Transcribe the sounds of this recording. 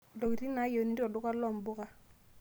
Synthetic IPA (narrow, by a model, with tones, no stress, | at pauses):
dɔ˨ki˨ti˦na˨˦jo˨˦ni˦ɔ˨dʊ˦ka˦lɔ˦˨mbʊ˦ka˨